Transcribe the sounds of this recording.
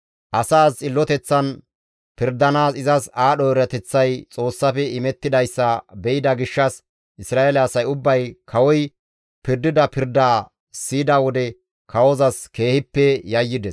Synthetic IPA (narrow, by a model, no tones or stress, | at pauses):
ʔɐsaːst͡sʼɪlːɔt̪ɛt͡sːɐn | pɪɾd̪ɐnaːsɪzɐsaːɗɔɾɐt̪ɛt͡sːɐjt͡sʼo̞ːsːɐfɛɪmɛt̪ːɪd̪ɐjsːɐbɛʔɪd̪ɐɡɪʃːɐs | ʔɪsɾaːelɐːsɐjʊbːɐjkʰɐwɔj | pɪɾd̪ɪd̪ɐpɪɾd̪aː | siːd̪ɐwɔd̪ɛ | kɐwɔzɐske̞ːhɪpːɛjɐjːɪd̪ɛs